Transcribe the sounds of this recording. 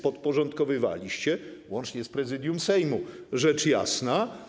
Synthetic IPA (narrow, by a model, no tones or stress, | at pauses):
pɔt̪̚pɔʐɔnt̪kɔvɘva̰lʲiɕt͡ɕɛwɔnt͡ʂɲɛspɾɛzɘd̪ʲjumsɛjmu | ʐɛt͡ʂja̰sna